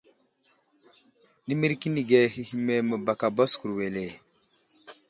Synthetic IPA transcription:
ni˦mi˦ɾki˦ni˨ɡe˨hi˦hi˦me˦mə˨ba˨ka˨bo˦sku˨ɾwe˨le˨

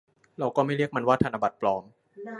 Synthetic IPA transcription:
ɾa˧wkɔː˥˩ma˥˩jɾi˥˩ək̚ma˧nwaː˥˩t̪ʰaː˧na˧ba˨˩t̪̚plɔː˧m

